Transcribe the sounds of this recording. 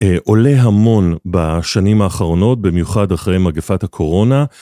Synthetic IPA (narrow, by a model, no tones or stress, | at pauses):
ʔo̞le̞ɦamo̞nbaʃanimaːχaʁo̞no̞t̚bimjuχadaχʁejmaɡefathakʰo̞ʁo̞na